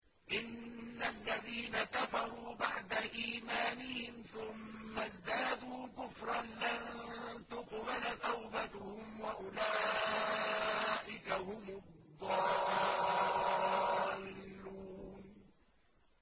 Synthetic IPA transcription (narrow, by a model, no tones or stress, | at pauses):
ʔɪnːalːaðiːnakafɑɾˤuːbaʕd̪aʔiːmaːnɪhɪmθʊmːazd̪aːd̪uːkʊfɾˤɑnlant̪ʊqbalt̪awbat̪ʊhʊmwaʔʊlaː | ʔɪkahʊmʊdd̪ˤːɑɾʔʊ | allːuːn